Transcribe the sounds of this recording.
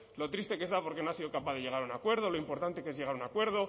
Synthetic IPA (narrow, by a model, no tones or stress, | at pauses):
lo̞t̪ɾist̪e̞ke̞sðapo̞ɾke̞no̞asiðokapaðe̞ʝe̞ɣ̞aɾunakwe̞ɾð̞o̞lo̞impo̞ɾt̪ant̪e̞ke̞zʝe̞ɣ̞aɾunakwe̞ɾð̞o̞